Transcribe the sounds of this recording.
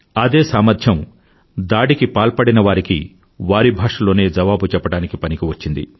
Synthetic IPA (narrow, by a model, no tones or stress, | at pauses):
ɐd̪e̞ːsaːmɐɾd̪ʰʱjɐm | d̪aːɽikipaːlpɐɽinɐʋaːɾikḭ | ʋaːɾibʱaːʂɐlo̞ːne̞ːd͡ʒɐʋaːbut͡ʃɛpːɐɽaːnikipɐnikiʋɐt͡ʃːind̪ḭ